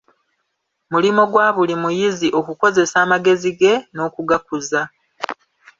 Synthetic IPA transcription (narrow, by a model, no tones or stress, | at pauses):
mulimo̞ɡwaːβulimujiziʔo̞kuko̞ze̞saːmaɡe̞ziɡe̞no̞ːkuɡakuza